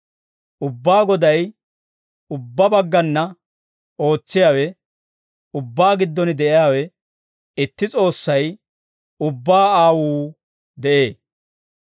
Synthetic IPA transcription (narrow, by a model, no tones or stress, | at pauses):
ʔʊbːaːɡɔd̪ɐj | ʊbːɐbɐɡːɐnːɐ | ʔo̞ːt͡sːɪjaːwɛ | ʊbːaːɡɪd̪ːɔnɪd̪ɛʔɪjaːwɛ | ɪt̪ːɪt͡sʼo̞ːsːɐj | ʊbːaːaːwuː | d̪ɛʔe̞ː